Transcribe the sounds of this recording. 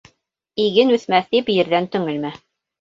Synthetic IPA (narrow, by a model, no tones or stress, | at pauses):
iɡɘnʉθmæθt̪ipjɘ̆ɾðænt̪ɵ̆ŋɘlmæ